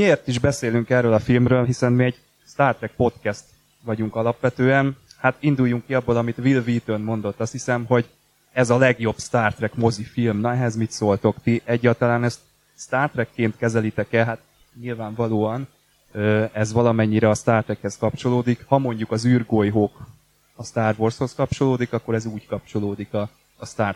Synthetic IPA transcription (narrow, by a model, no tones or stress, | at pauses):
mieːrt̪iʒbɛseːlyŋkɛrøːlɒfilmrøːlɦisɛnmiɛɟ | st̪aːrt̪rɛk̚po̞t̪kɛst̪ | ʋɒɟuŋkɒlɒpʋɛt̪øːɛnhat̪ind̪ujːuŋkːiɒbːolɒmit̪ʋilviːt̪ønmo̞n̪d̪o̞t̪ːɒst̪hisɛmɦo̞ɟ | ɛzɒlɛɡjo̞bst̪aːrt̪rɛkmo̞zifilmnɒɛɦɛzmit̪soːlt̪o̞kt̪iʔɛɟːaːlt̪ɒlaːnɛst̪ | st̪aːrt̪rɛkːeːnt̪kɛzɛlit̪ɛkɛlɦat̪ | ɲilvaːɱvɒloːɒn | øɛzʋɒlɒmɛɲːiɾɛɒst̪aːrt̪ɾɛkhɛskɒpt͡ʃo̞loːd̪ikhɒmo̞ɲɟukɒzyrɡojɦoːk | ɒst̪aːrvorsho̞skɒp̚t͡ʃo̞loːd̪ikɒkːo̞ɾɛzuːckɒp̚t͡ʃo̞loːd̪ikɒː | st̪aːr